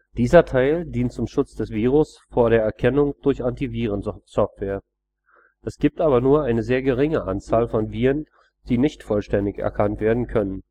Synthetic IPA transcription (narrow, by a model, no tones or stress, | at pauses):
d̥iːzɐtʰaɪldiːntt͡sʊmʃʊt͡sd̥ɛsv̥iːʁ̞ʊs | foːɐɾeːɐɛɐkʰɛnʊŋd̥ʊɐçʔantiviːʁ̞ənsɔftv̥eːɐ | ʔɛsɡ̥iːp̚tʔaːbɐnuːɐʔaɪnəzeːɐɡəʁɪŋəʔant͡saːlfɔnviːʁən | d̥iːnɪçtfɔlʃtɛndɪçɛ̰ɐkʰantv̥eːɐdn̩kʰœnən